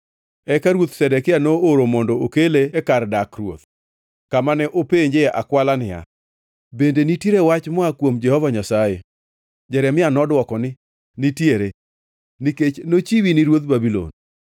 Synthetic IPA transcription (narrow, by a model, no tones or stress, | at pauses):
ɛkaɾwot̪sɛdɛkɪanooɾomɔndɔokeleːkardakrwo̰t̪̚ | kamanɛʔopeɲd͡ʒeʔa̰kwalanɪja̰ | bendenitjeɾewat͡ʃmɔakwomd͡ʒɛhɔvaɲasaje | d͡ʒɛɾɛmɪanɔdwɔkɔnɪ | nitjeɾe | niket͡ʃnot͡ʃiwiniɾwot̪̚babilo̰n